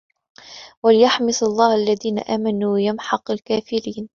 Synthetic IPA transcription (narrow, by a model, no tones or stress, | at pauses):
walɪjaħmɪsɑlˤːɑːhalːaðiːna̰ʔaːmanuːjamħɑqalkaːfɪɾiːn